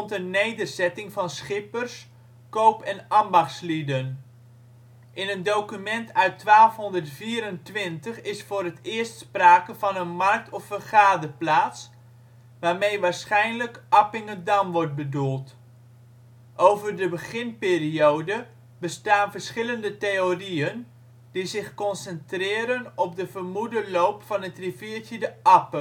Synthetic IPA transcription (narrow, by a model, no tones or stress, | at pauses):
ntənnejdərzɛtɪŋvɑnsχɪpərs | kowpɛnɑmbɑχtslidən | ʔɪnəndowkymɛntœɥtʋaːlˠfɦɔndərtfiːɾəntʋɪntəχɪsfʊːɾətɪːəɹstspraːkəvɑnənmɑrk̚tʰɔfərχaːdəplaːts | ʋaːrmejʋaːɹsχɛjnləkʔɑpɪŋədɑmʋɔɹt̚bədulˠt | ʔowvərdəbəχɪnpɪːriowdə | bəstaːnvərsχɪləndəteoriən | d̥izɪχkɔnsəntrɪːɾənɔp̚dəvərmudəlowpfɑnətriviətədəʔɑpə